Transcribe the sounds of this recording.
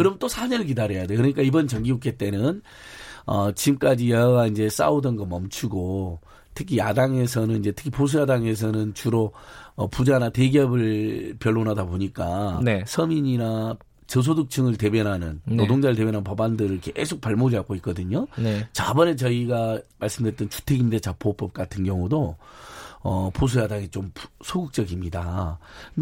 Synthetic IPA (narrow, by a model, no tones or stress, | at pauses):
kɯɾʌmnt͈osʰaɲʌɾɯɭk̬idaɾejadekɯɾʌɲik͈aibʌnt͡ɕʌŋɡiukʰet͈e̞nɯn | ʌt͡ɕimk͈ad͡ʑijʌaɡaind͡ʑe̞s͈a̰udʌnɡʌmʌmt͡ɕʰuɡo | tʰɯ̥kʰijadaŋe̞s̬ʰʌnɯnind͡ʑe̞tʰɯ̥kʰipos̬ʰujadaŋe̞s̬ʰʌnɯnt͡ɕuɾoʌpud͡ʑanate̞ɡiʌbɯɭpjʌɭːonadaboɲik͈anesʰʌmiɲina | t͡ɕʌs̬ʰodɯk̚t͡ɕʰɯŋɯɭte̞bjʌnɦanɯnnodoŋd͡ʑaɾɯɭt̬e̞bjʌnanpʌbandɯɾɯɭke̞esʰok̚paɭmod͡ʑiak͈oik͈ʌdɯɲot͡ɕabʌnet͡ɕʌiɡamaɭs͈ɯmdwet͈ʌnt͡ɕʰu̥tʰe̞ɡinde̞t͡ɕap͈op͈ʌp̚k͈atʰɯnɡjʌŋudo | ʌpos̬ʰojadaŋet͡ɕompsʰoɡɯk̚t͡ɕ͈ʌɡimɲida